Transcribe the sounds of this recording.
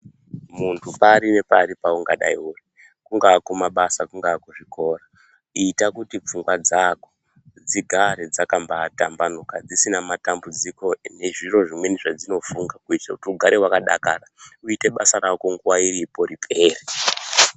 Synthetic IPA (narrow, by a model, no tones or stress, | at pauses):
muntʰupaɾine̞paɾipauŋɡaɗa̰iuːri | kuŋɡaːkumaɓasakuŋɡaːkuʐiko̞ːra | iːtakutip͡fuŋɡwad͡zako | d͡ziɡʱaɾed͡zakambatambanokad͡zisinamatambud͡ziko̞ne̞ʐiro̞ʐimwe̞niʐad͡zino̞fuŋɡakuitakutiuɡʱaɾewakaɗa̰ka̰rauite̞ɓa̰saɾako̞ŋɡuwairipo̞ɾipʰe̞ːre